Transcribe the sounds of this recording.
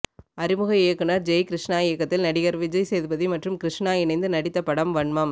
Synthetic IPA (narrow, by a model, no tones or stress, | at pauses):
ɐɾɪmɯɣɐeːkːɯnɐɾd͡ʒɛjkɪɾɪʂɳaːeːkːɐt̪ːɪlnɐɽɪɣɐɾʋɪd͡ʒɐɪseːðɯbɐðimɐʈrɯmkɾɪʂɳaːɪnɐɪnd̪ɯnɐɽɪt̪ːɐpɐɽɐmʋɐɳmɐm